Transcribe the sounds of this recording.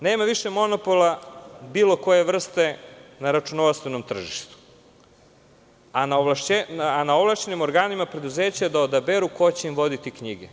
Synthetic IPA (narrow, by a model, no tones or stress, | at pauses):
ne̞ːmaʋiʃemo̞no̞polˠabiːlˠo̞ko̞je̞ʋr̩st̪e̞naɾat͡ʃunoʋast̪ʋeno̞mt̪r̩ʒiʃt̪u̥ | anaolaʃenanaoʋlˠaʃt͡ɕenimo̞ɾɡaːnimapɾe̞d̪uze̞ːt͡ɕad̪aod̪abeɾuko̞t͡ɕe̞imʋo̞d̪it̪ikɲiɡe